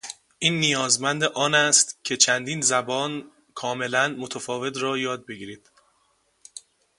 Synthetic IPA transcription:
ʔiːnːijɒːzmænd̪eʔɒːnæst̪cʰe̞t͡ʃʰænd̪iːnzæbɒːn | kʰɒːme̞lænmot̪ʰæfɒːve̞t̪ɾɒːjɒːd̪̚be̞ɡiːɾiːd̪̥

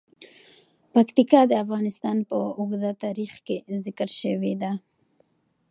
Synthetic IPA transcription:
pakt̪ikɑd̪əafɣɑnɪst̪ɑnpəʊɣd̪at̪ɑɾixkezɪkəɾʃəwed̪a

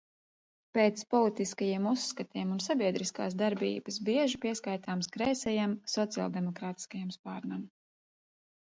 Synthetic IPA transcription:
peːt̪spɔlˠit̪iskajiɛmusːkat̪iɛmunsabiɛd̪ɾiska̰ːsd̪aɾbḭːb̥ɨsbiɛʒipiɛskajt̪aːmskɾɛːsɛjamsɔt̪sia̰lˠd̪ɛmɔkɾaːt̪i̥skajamspaːɾnam

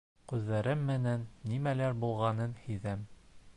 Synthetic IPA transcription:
qʉðːæɾɘmːɘ̆nænːimælæɾbulˠʁɑnɤnhɵðæm

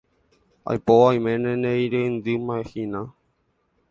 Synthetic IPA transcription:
a̰jpoaj̃mẽnẽnẽjɾend̪ɨmãehinã

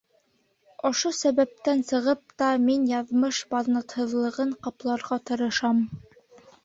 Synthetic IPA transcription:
ŏʃosæβæp̚t̪ænsɤ̆ʁɤp̚t̪ɑminjɑðmɤʃbɑðnɑt̪hɤ̆ðlˠɤ̆ʁɤɴqɑplˠɑɾʁɑt̪ɤ̆ɾɤ̆ʃɑm

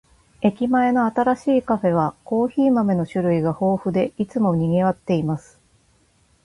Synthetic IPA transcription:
e̞kʲimae̞no̞at̪aɾaɕiːkaɸe̞β̞ako̞ːçiːmame̞no̞ɕɨɾɯ̟iɡaho̞ːɸɯ̟d̪e̞it͡sɨmo̞ɲ̟iɡe̞βat̪ːe̞imasɨ̥

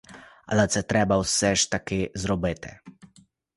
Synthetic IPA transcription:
a̰lat̪sɛt̪ɾɛbawsɛʃt̪akezɾɔbet̪ʰɛ̰

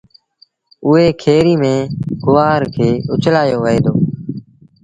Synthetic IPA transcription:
ʊɦeːkʰeːɾiːmẽːɡʊʋaːɾkʰeːʊt͡ʃʰlaːjoːʋəeːd̪oː

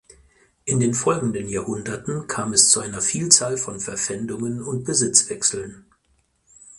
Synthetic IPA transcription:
ʔɪndeːnfɔlɡŋ̩dənjaːhʊndɐtn̩kʰaːmɛst͡suʔaɪnɐfiːlt͡saːlfɔnfɛɐfɛndʊŋənʊnt̚b̥əzɪt͡sv̥ɛksl̩n

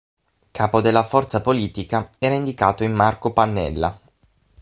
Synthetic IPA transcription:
kʰaːpod̪elːafɔrt̪sapoliːt̪ikaɛːɾaind̪ikaːt̪oimːarkopanːɛ̰lːa̰

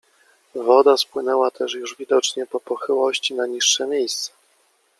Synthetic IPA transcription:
vɔd̪aspwɘnɛwat̪ʰɛʂjuʐvʲid̪ɔt͡ʂɲɛpɔpɔxɘwɔɕt͡ɕinaɲiʂːɛmʲjejst̪sɛ̥

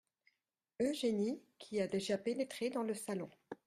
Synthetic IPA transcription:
øʒenikʲʰiad̪eʒapenet̪χed̪ɑ̃ləsalɔ̃

